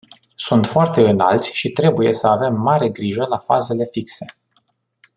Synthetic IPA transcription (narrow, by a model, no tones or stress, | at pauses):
sunt̪foart̪e̞ɨna̰lt̪sʲʃit̪ɾe̞buje̞səave̞mːaɾe̞ɡɾiʒəlafa̰ze̞le̞fikse̞